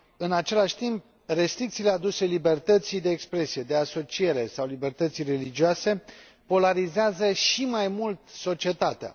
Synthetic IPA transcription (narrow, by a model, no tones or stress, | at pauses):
ɨnat͡ʃe̞laʃʲt̪imp̚ | re̞st̪ɾik̚t̪sile̞ad̪use̞libe̞rt̪ət̪sijd̪e̞ːkspɾe̞sije̞d̪e̞aso̞t͡ʃije̞ɾe̞sawlibe̞rt̪ət̪sijre̞lid͡ʒioase̞ | po̞laɾizeazəʃimajmult̪so̞t͡ʃie̞t̪at̪ea̰